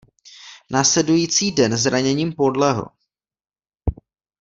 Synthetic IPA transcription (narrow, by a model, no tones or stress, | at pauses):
naːslɛdujiːt͡siːdɛnzɾaɲɛɲiːmpo̞dlɛɦo̰